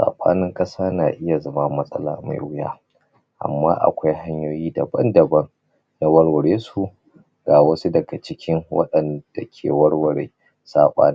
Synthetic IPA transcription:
sa̰ː˨ɓa̰ː˦nɪ˦ŋkʼɐ˦saː˦naː˨ʔɪ˦ja˨zɐ˦ma˦mɐ˦sʼɐ˦la̰ː˨ma̰˨jwʊ˦jaː˦ | ʔa̰˨mːa̰ː˦ʔa̰˨kʷa˦jɦa˦ɲjoː˦jiː˦dɐ˨bɐ̰˦ndɐ˨bɐ˦ŋ | na˦wɐ˦ɽwɐ˨ɽeː˦su˨ | ɡaː˨wɐ˦su˦dɐ˨ɡa˨t͡ʃɪ˦kʲɪ˦ŋwɐ̰˦ɗɐ˨nd̥a˨kʲʰḛː˨wɐ˦ɽwɐ˨ɽeː˨ | saː˨ɓʼa̰ː˦nɪ˦

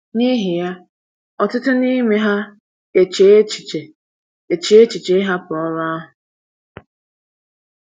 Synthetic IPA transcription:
ni˦ɦi˨ja˦ | ɔ˨tʊ˦tʊ˦ni˦me˦ɦa˦ | e˨t͡ʃe˨˦t͡ʃi˨t͡ʃe˨ | e˨t͡ʃe˦e˦t͡ʃi˨t͡ʃe˦ɦa˦pʊ˨ɔ˦ɾa˦ɦʊ˨

